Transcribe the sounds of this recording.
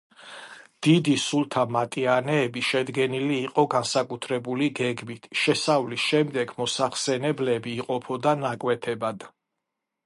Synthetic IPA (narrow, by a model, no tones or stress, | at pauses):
d̪̥id̪isulˠt̪ʰamat̪ʼianɛːbiʃɛd̪ɡɛniliːqʼɔɡansakʼut̪ʰɾɛbuliɡɛɡmit̪ʰʃɛsavlisʃɛmd̪ɛɡmɔsaχsɛnɛblɛbiːqʼɔpʰɔd̪anakʼwɛt̪ʰɛbad̪̥